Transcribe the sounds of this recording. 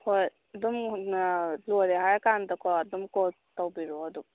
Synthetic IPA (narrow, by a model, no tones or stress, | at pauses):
hoj | ɐdumnɐloɾeɦajkandɐkʰɔɐdumkɔ | tawbiɾoɐdu